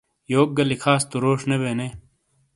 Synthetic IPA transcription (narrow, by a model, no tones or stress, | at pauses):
joːk̚ɡɐlikʰaːst̪uɾoːʂnebeːne